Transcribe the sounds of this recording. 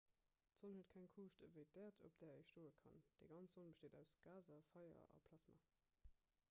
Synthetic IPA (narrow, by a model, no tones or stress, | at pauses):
tz̥onhuətkʰæŋkʰuːʃtəvəɪt̚dɛːɐtʰop̚d̥ɛːɐəʃtoːəkʰɑ̰nd̥ɛːɡɑnt͡sz̥onbəʃteːdæʊsɡ̥aːzɐfɑɪɐ̰ɑ̰pʰlɑsma̰ː